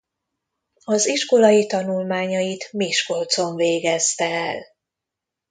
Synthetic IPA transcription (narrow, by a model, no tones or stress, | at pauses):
ɒziʃko̞lɒjit̪ɒnulmaːɲɒjit̪miʃko̞lt̪so̞ɱveːɡɛst̪ɛɛl